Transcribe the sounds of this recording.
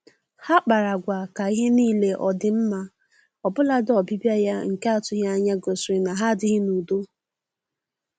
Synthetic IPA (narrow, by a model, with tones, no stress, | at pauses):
ha˦k͡pa˨ɾa˨ɡʷa˨ka˨i˦ɦɪ˦niː˦le˦ʔɔ˨dɪ˨m̩˦ma˦ | ɔ˨bʊ˦la˦dɔ˨bi˦bja˦ja˦ŋ̩˨ke˦a˦˨tʊ˦ja˦a˦ɲa˦ɡo˨sɪ˨na˨ɦa˦dɪ˦ɣɪ˦nu˨do˦